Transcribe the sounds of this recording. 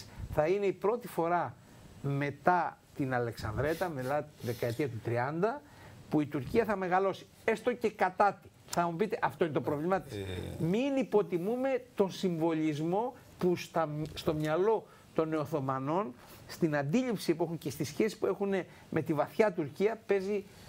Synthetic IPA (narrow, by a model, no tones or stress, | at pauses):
θɐine̞ipɾo̞t̪ifo̞ɾɐ | me̞t̪ɐt̪inɐle̞ksɐ̰nd̪ɾe̞t̪ɐmelɐt̪iðe̞kɐe̞t̪iɐt̪ut̪ɾiɐnd̪ɐ | puit̪uɾciɐθɐme̞ɣɐlo̞si̥ | est̪o̞ce̞kɐt̪ɐt̪i̥ | θɐmupit̪e̞ʔɐft̪o̞inet̪opɾo̞vlimɐt̪i̥sminipo̞t̪imume̞t̪o̞nsiɱvo̞lizmo̞ | pust̪ɐst̪o̞mɲɐlo̞ | t̪o̞ne̞oθo̞mɐno̞n | st̪inɐnd̪iʎipsipuexuncest̪isçe̞si̥pue̞xune̞ | mʔe̞t̪ivɐθçɐt̪uɾciɐpe̞zi